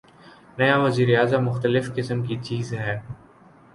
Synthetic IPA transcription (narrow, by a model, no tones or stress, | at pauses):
nɐjaʋɐziːɾejaːzəmːʊxt̪əlɪfkɪsəmkit͡ʃiːzɦɛː